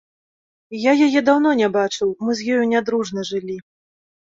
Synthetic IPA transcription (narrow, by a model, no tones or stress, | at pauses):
jajajɛd̪awnɔnʲɛbat͡ʂɨwmɨzʲjɔjunʲad̪ɾuʐnɐʐɨlʲi